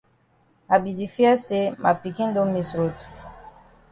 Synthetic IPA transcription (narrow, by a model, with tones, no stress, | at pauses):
a˨bi˨di˨fja˦se˦ma˨pi˨ki˦n˦do˦mi˨sɾo˨tu̥˨